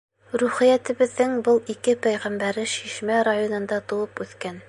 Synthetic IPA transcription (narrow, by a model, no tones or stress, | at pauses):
ɾuχĭjæt̪ɘ̆βɘ̆ðːɘŋbɤlˠikɘpæjʁæmbæɾɘʃiʃmæɾajonɤ̆nd̪ɑt̪ŭwɤpʉθkæn